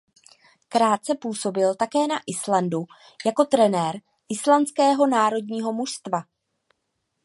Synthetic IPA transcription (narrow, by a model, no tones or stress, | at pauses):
kɾaːt̪̚t͡sɛpuːso̞bɪlt̪akɛːnaʔɪslandu | jako̞t̪ɾɛnɛːɾ | ʔɪslant͡skɛːɦo̞naːɾo̞dɲiːɦo̞muʃst̪va